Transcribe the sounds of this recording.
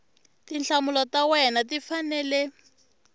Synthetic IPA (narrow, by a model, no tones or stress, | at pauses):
tinɬamulɔtawɛnatifanɛlɛ